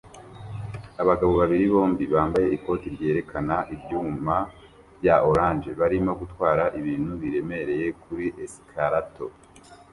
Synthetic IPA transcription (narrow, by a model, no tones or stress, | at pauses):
aβaɡaβo̞βaβiɾiβo̞ːmbiβaːmbaje̞iko̞ːtiɾɟe̞ːɾe̞kʰanaʔibjuːma | vjaʔoɾaːnd͡ʒe̞βaɾimoɡutwaːɾaʔiβiːn̥huβiɾe̞me̞ɾe̞je̞kuɾiʔeskʰaɾato̞